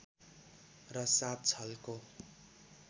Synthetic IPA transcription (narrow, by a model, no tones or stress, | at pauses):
rʌsat̪̚t͡sʰʌlko